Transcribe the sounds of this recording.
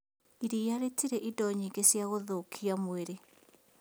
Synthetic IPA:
iɾiaɾetiɾɛʔidɔɲiːŋɡesjaɣoðokʰiamweɾe

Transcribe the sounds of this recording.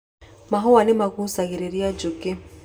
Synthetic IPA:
maɦɔanɪmakusaɣiɾeɾiad͡ʒukɪ

